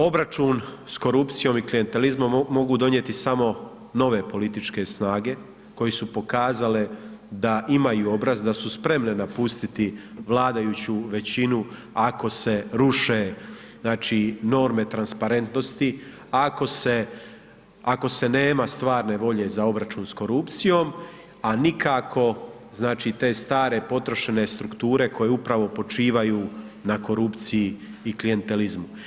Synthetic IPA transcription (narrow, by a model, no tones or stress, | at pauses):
o̞bɾat͡ʃun | sko̞ɾupt̪sijo̞miklijent̪e̞lizmo̞mːo̞ɡud̪o̞njet̪isamo̞ | no̞ʋe̞po̞lit̪it͡ʃke̞snaːɡe̞ | ko̞jesupo̞kaːzale̞d̪aʔimajuo̞bɾazd̪asuspɾe̞mne̞napust̪it̪iʋlˠaːd̪ajuːt͡ɕuʋe̞t͡ɕinu | ako̞se̞ɾuʃe̞ | naːt͡ʃino̞ɾme̞t̪ɾanspaɾe̞nt̪no̞st̪i | ako̞se | ako̞se̞ne̞ːmast̪ʋaːɾne̞ʋo̞ʎe̞zao̞bɾat͡ʃuːnsko̞ɾupt̪sijo̞ːm | anikʰakʰo̞ | znaːt͡ʃiːt̪e̞ːst̪aːɾe̞po̞t̪ɾo̞ʃe̞ne̞st̪ɾukt̪uːɾe̞kʰo̞jeupɾaʋo̞po̞t͡ʃiːʋajuː | nako̞ɾupt̪sijiːklije̞nt̪e̞lizmu